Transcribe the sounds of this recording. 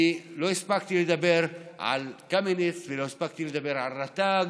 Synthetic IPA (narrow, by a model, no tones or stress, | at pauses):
ilo̞ispakt̪iled̪abeʁʕa̰lkamenet͡svelohispak̚t̪iled̪abeʁʕalʁat̪aɡ